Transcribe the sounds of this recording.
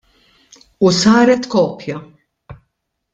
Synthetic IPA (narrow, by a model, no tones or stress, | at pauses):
usɐːɾɛt̪kɔːpjɐ